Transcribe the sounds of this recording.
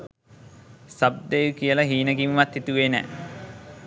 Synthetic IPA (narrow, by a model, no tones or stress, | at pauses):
sab̚d̪ejukijəlɐɦiːnəɡimʋat̪hit̪uʋeːnɛ̰ː